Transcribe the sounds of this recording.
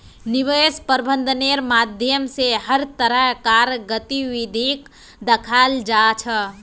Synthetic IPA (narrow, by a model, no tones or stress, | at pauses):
niʋespəɾbə̃nd̪ʱəneɾmad̪ʱjəmseɦəɾt̪əɾəɦkaɾɡət̪iʋid̪ʱik | d̪əkʰald͡ʒat͡ʃʰə